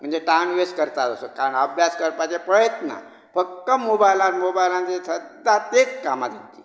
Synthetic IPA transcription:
m̤əɳd͡zeʈanʋeskəɾt̪at̪əsəkaɾəɳəbʱjaskəɾpat͡sepɾəjət̪nə̰ | fək̚t̪ːəmobajlãnmobajlãnt͡sesʰəd̪ːat̪et͡skamad̪it̪i

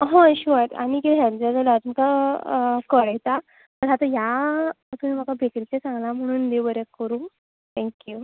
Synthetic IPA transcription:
ɦõɕuaʈ̪a̰nikit̪ɦãnd͡zad͡zalat̪maka | kəɭəjt̪a | təɾɦat̪əja | t̪um̤iːm̤akabʱeklit͡ɕesãŋɡlam̤əɽ̃uːnd̪ebəɾekəɾuː | t̪ʰɛ̃ŋkju

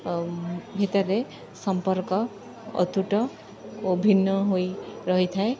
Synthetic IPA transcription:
bʱit̪ʌɾe | sʌmpʌɾkʌ̰ː | t̪uʈʌ | obʱinːʌɦojɾʌɦʌt̪ʰae

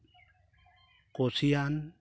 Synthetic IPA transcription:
kosijan

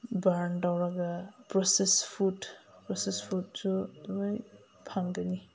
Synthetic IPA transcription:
baɾntawɾaɡapɾɔsespʰutpɾɔsespʰut̚sumaj | pʰaŋɡani

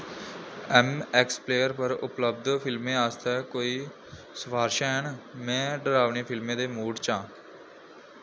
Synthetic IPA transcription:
ɛːmɛkspleːjəɾpəɾʊ̰pləb̚d̪pʰɪlmẽːaːst̪ʰɛːkoːiː | səbaːɾʃaːɦəɳmɛ̃ːɖəɾaːʋniːpʰɪlmẽːd̪eːmuːɖt͡ʃãː

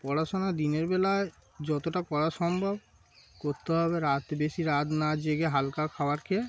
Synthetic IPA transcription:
pɔɾaʃonad̪ineɾbelae | d͡ʑɔt̪oʈakɔɾaʃɔmbʱob | koɾt̪eɦɔbeɾat̪beʃiɾat̪nad͡ʑeɡeɦalkakʰaoaɾkʰe

